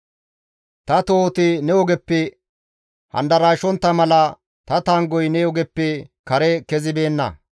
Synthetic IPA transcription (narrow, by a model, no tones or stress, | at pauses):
t̪ɐt̪oːt̪ɪnɛɔɡɛpːɛ | hɐ̰nd̪ɐɾaːʃɔnt̪ːɐmɐlɐ | t̪ɐt̪aːŋɡɔjnɛɔɡɛpːɛkɐɾɛkɛzɪbe̞ːnːɐ̰